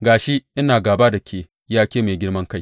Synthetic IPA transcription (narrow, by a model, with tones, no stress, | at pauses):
ɡaː˨ʃe˦ʔɪ˦naː˨ɡaː˨baː˦da˨kʲʰeː˨ | jaː˦kʲeː˦meː˨ɡʲɪ˦ɽmɐ˦ŋka˦˨j